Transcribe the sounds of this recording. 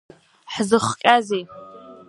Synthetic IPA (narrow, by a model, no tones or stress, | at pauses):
ħzɨχkʲʼazej